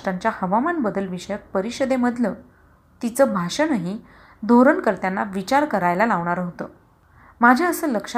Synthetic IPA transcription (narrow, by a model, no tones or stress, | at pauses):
ʈaɲt͡ɕjahəʋamanbəd̪əlʋiɕəjək̚pəɾiɕəd̪eməd̪ʱlə | t̪it͡səːbʱaʂənaɦi | d̪ʱoɾəɳkəɾt̪janːaʋit͡ɕaɾkəɾajlalaʋɳ̃aɾɦot̪ə | mad͡ʑʱjaəsəːləkʂ